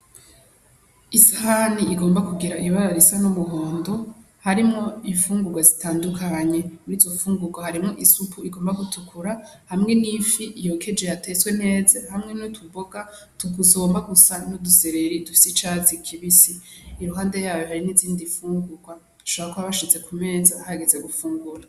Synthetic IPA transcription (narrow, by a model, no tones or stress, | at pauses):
isahaniiɡo̞ːmbakuɡiɾaʔijuβaɾaɾisanumuɦo̞ːndo̞ | haɾimŋo̞iɱfuːŋɡuɡwazitaːndukʰaɲe̞niːzo̞fuːŋɡuɡwahaɾimŋo̞ʔisupʰuiɡoːmbaɡutʰukʰuɾahamŋe̞nifiʔjokʰe̞d͡ʒejatʰeswe̞ne̞ːzahamŋe̞notʰuboɡa | tukuzoːmbaɡusanoduseɾe̞ɾidufi̥sit͡ʃazikʰiβisiː | ɾuɦaːnde̞jaːjoɦaɾiniziːndifuːŋɡuɡwa | ʃoβaɾakoaβaʃize̞kʰume̞ːzahaaɡeze̞ɡufuːŋɡuɾa